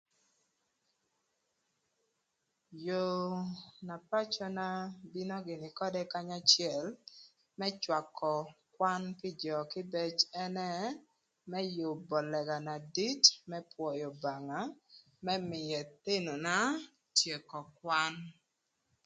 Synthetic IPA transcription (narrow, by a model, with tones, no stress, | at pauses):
jo˨ | na˨pa˦t͡ʃɔ˦na˦bi˦nɔ˦ɡɪ˨nɪ˨kɔ˦dɛ˦ka˦ɲa˦t͡ʃjɛ˨l | mɛ˦t͡ʃwa˨kʰːɔ˨kwa˦npɪ˦d͡ʒɔ˨kɪ˦bɛ˦t͡ʃɛ˦nɛ˦ | mɛ˦jʊ˨bɔ˨lɛ˨ɡa˨na˨di˦tmɛ˦pwɔ˨jo˨ba˨ŋa˨ | mɛ˦mɪ˨jɛ˨t̪e˦no˨na˦ | tje˨kɔ˨kwa˦n